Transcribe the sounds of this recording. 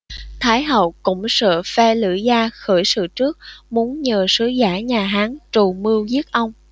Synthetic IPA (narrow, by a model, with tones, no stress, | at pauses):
t̪ʰaː˨˦jɦə˨˩wkʊ̰˧˥ŋ͡msə̰ː˧˨fɛ˧lɨ̰˧˩˨zaː˧xəː˧˩jsɨ̰˧˨t͡ɕɨ˦˥ək̚mu˨˦ənɲəː˨˩sɨ˨˦zaː˧˩ɲaː˨˩ɦaː˨˦nt͡ɕu˨˩mɨ˧əwzi˦˥ət̚ʔə˧wŋ͡m